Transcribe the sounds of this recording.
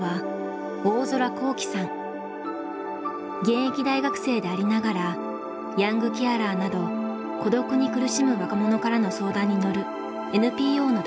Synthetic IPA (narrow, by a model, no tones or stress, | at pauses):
a | o̞ːzo̞ɾako̞ːkʲi̥sãŋ | ɡẽ̞ɰ̃ekʲid̪aiɡakɯ̟̥se̞ːd̪e̞aɾʲinaɡaɾa | jãŋɡɯ̟kʲiaɾaːnad̪o̞ | ko̞d̪o̞kɯ̟ɲ̟ikɯ̟ɾɯ̟ɕimɯ̟βakamo̞no̞kaɾano̞so̞ːd̪ãɲ̟ːino̞ɾɯ̟ | e̞nɯ̟pʲiːo̞ːnod̪